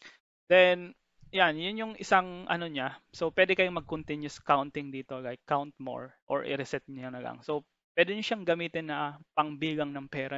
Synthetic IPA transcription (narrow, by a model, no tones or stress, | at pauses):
d̪̥ɛn | janjʊnjʊŋʔɪsaŋʔɐ̰no̞ɲasopwɛːd̪ɛkɐjomɐɡ̚kʊnt̪ɪnjʊskawnt̪ɪŋd̪iːt̪oɡakːawnt̪̚mo̰ɹʔo̰ɹʔɪ̰ɾɛsɛt̪̚ɲɐjɐŋnɐɡa̰ŋsow | pwɛːd̪ɛɲʊʃaŋɡɐmiːt̪ɪnːɐpɐŋbiːɡɐŋnɐŋpɛːɾɐ